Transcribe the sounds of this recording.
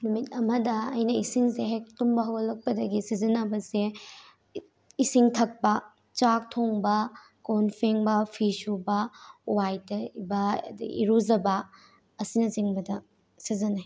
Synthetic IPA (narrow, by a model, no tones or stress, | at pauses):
numit̚ɐmɐdɐɐjnɐisiŋseɦek̚tumbɐɦɐwɐlɐk̚pɐdɐɡisizɐnɐbɐse | isiŋtʰɐk̚pɐ | t͡ʃak̚tʰoŋbɐ | konpʰeŋbɐpʰisubɐwajtɐibɐḭɾuzɐbɐ | ɐsinɐt͡ʃiŋbɐdɐ | sizɐna